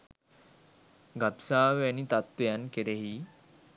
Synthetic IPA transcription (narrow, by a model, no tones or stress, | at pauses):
ɡapsaːʋanit̪at̪ʋejankeɾeɦi